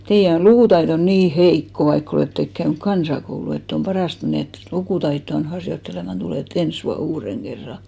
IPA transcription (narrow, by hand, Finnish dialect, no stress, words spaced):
teijæ on lukuˑtɑiton niː heikːo ʋɑikː oleˑtːek kæyny̆k kɑnsɑkoulu etː om pɑrɑˑst et meneˑt lukuˑtɑitːoɑn hɑrjotːelemɑn tuleˑt ens ʋuɑn uːreŋ ɡ̊erːɑ